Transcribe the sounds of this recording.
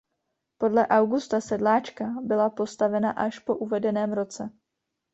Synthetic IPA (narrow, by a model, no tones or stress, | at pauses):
po̞dlɛʔawɡust̪asɛdlaːt͡ʃkabɪlapo̞st̪avɛnaʔaʃpo̞ʔuvɛdɛnɛːmɾo̞t͡sɛ